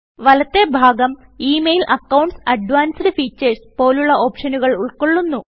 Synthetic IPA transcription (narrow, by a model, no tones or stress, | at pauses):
ʋɐlɐt̪ːe̞bʱaːɡɐm | iːmejlʔɐkːɐwɳɖʈsɐɖʋaːnsɖɨfiːt͡ɕːɐɾspo̞ːluɭːɐʔo̞ːpʂɐnuɣɐɭuɭko̞ɭːunːu